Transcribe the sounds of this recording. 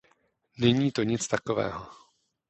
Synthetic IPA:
nɛɲiːt̪o̞ɲɪt͡st̪akovɛ̰ːɦo

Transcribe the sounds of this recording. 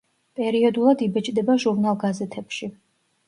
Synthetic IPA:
pʼɛɾiɔd̪ulˠad̪ibɛt͡ʃʼd̪ɛbaʒuɾnalˠɡazɛt̪ʰɛpʃi

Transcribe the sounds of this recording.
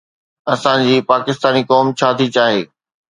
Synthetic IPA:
ɐsãd͡ʑiːpaːkɪst̪aːnikɔːmt͡ɕʰaːt̪ʰit͡ɕaːɦeː

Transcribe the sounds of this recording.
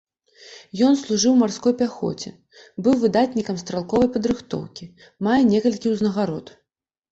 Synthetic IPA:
jɔnslˠuʐɨwmarskɔjpʲaxɔ̰t͡sʲɛ̰ | bɨwvɨd̪at̪ʲnʲikɐmst̪ɾalˠkɔvɐjpɐd̪ɾɨxt̪ɔ̰wkʲi | majɛnʲɛkɐlʲkʲiwznɐɣaɾɔt̪

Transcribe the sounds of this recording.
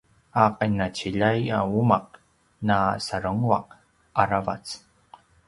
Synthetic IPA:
aqanat͡ɕiʎajaumaq̚ | nasaɾəŋua̰q̚ | aɾava̰t͡s

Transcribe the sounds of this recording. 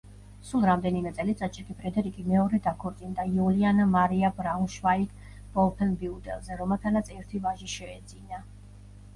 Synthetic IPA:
sulˠɾamd̪ɛnimɛt̪sʼɛlit̪sʼat͡ʃʰɛɾkʼipʼɾɛd̪ɛɾikʼimɛɔɾɛd̪akʰɔɾt̪sʼind̪aiulianamaɾiabɾaunʃvaikʰ | b̥ɔlˠpʰɛnbiud̪ɛ̰lˠzɛɾɔmɛlˠt̪ʰanat̪sʰɛɾt̪ʰivaʒiʃɛːd̪zina

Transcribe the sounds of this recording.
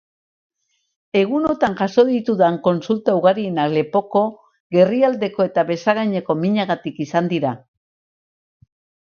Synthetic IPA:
e̞ɣ̞uno̞t̪aŋʝaso̞ðit̪uðaŋko̞nsult̪auɣaɾie̞nakle̞po̞ko̞ | ɣe̞riald̪e̞ko̞e̞t̪aβe̞saɣ̞ajɲe̞ko̞miɲaɣat̪ikisand̪iɾa

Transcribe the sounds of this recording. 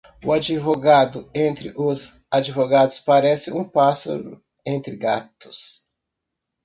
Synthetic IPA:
ʊad͡ʒivoɡad̪ʊẽnt̪ɾɪʔʊz | ad͡ʒivoɡad̪ʊspaɾɛsɪʔũpasɐ̰ɾʊ | ẽnt̪ɾɪɡat̪ʊ̥s

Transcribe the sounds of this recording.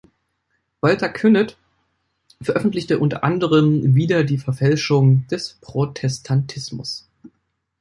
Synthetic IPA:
v̥altɐkʰʏnɛt | fɛɐʔœfn̩tlɪçtəʔʊntɐ̰ʔandəʁəmviːdɐdiːfɛɐfɛlʃʊŋd̥ɛspʁ̥otʰɛstʰantʰɪsmʊ̰s

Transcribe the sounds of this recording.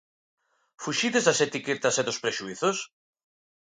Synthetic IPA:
fuʃiðezðaset̪iket̪aseðospɾeʃuiθos

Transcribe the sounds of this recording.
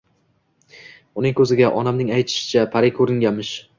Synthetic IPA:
ʊnɪŋkʰɵzɪɡʲaʔɒnamnɪŋajt̪ʰɪ̥ʃɪ̥t͡ʃʰapʰaɾɪkʲʰɵɾɪŋɡʲamɪʃ

